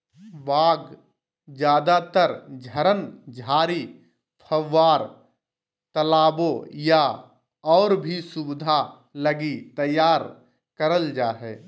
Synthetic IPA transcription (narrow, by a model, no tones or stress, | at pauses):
baːɡ | d͡ʒjaːd̪at̪əɾd͡ʒʱəɾənd͡ʒʱaːɾi | pʰəʋːaːɾ | t̪ɐlaːboja | ɔːɾbʱisʊbd̪ʱa | ləɡit̪ɐjaːɾ | kəɾəld͡ʒaːɦɛː